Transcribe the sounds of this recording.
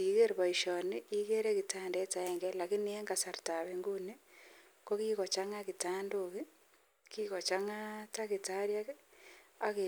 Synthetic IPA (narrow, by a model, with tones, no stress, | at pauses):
i˨ɣe˦ɾβa˨iʃɔni˦iɣe˦ɾe˦kitaː˦nde˦ta˦ɛ˨ŋɡe˦la˨ki˦nie˦ŋɡasa˨ɾta˨βeŋɡuni˦ | kokiɣo˨t͡ʃaŋaki˨taː˦ndoki˦ | kiɣo˨t͡ʃa˦ŋa˦ta˦kitaɾja˦ | a˨ke